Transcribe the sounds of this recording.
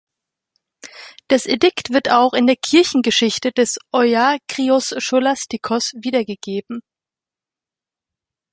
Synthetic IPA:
d̥asʔedɪktv̥ɪɐtaʊxɪndeːɐkʰɪɐçn̩ɡəʃɪçtəd̥ɛsʔɔaːkʁ̥iɔsʃolastikʰɔsviːdɐɡəɡ̥eːbm̩

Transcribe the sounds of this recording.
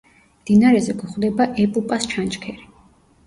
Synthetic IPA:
md̪inaɾɛzɛɡuχwd̪ɛbaʔɛpʼupʼast͡ʃʰant͡ʃkʰɛɾi

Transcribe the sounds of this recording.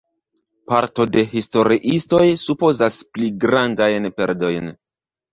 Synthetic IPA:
paɾto̞de̞ɦisto̞ɾiʔisto̞jsupo̞zaspliɡɾandajnpe̞̰ɾdo̞jn

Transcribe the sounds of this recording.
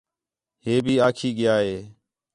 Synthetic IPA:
ɦeːbʱiːaːkʰiːɡɪjaːɦeː

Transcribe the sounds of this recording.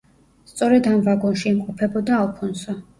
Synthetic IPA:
st̪sʼɔɾɛd̪amvaɡɔnʃiːmqʼɔpʰɛbɔd̪aːlˠpʰɔnsɔ

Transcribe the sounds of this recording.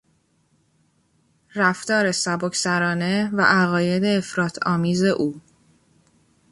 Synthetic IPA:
ræft̪ɒːɾe̞sæbo̞cʰsæɾɒːne̞væ̰ʔæɣɒːje̞d̪e̞ːfɾɒːt̪ʰɒːmiːze̞ʔuː

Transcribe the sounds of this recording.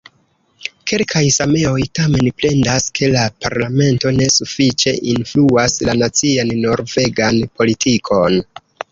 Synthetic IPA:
ke̞lkʰajsame̞o̞jtame̞npɾe̞ndaskʰe̞lapaɾlame̞nto̞ne̞sufit͡ʃe̞ʔinfluaslanat͡sianːo̞ɾve̞ɡanpo̞litʰikʰo̞n

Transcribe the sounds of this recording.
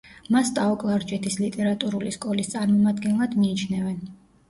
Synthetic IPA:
mast̪ʼaɔkʼlˠaɾd͡ʒɛt̪ʰislit̪ʼɛɾat̪ʼuɾuliskʼɔlist̪sʼaɾmɔmad̪ɡɛnlˠad̪miːt͡ʃʰnɛvɛn

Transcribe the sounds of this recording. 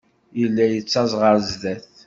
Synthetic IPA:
jəlːæjət͡sːɑzˤʁəɾzðæθ

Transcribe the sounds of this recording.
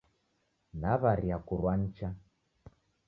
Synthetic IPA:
naβaɾiakuɾwan̩t͡ʃa

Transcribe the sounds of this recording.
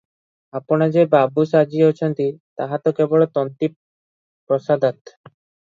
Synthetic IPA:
apoɽ̃ad͡ʑebabusad͡ʑiot͡ɕʰɔnt̪it̪aɦat̪okebɔɭot̪ɔnt̪ip | pɾɔsad̪at̪

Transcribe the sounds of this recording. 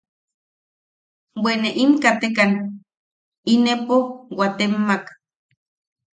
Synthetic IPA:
weneʔimkat̪ekan | inepowat̪emːak

